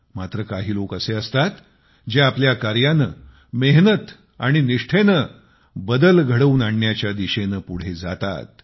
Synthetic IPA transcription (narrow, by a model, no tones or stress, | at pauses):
mat̪ɾəkaɦiːlokəseəst̪at̪ | d͡ʑeapljakaɾjanə | meɦnət̪ | a̰ɽ̃iniʂʈʰenə | bəd̪əlɡʱəɽəuːnaɳːjat͡ɕjad̪iɕenəpuɽ̤ed͡za̰t̪a̰t̪̚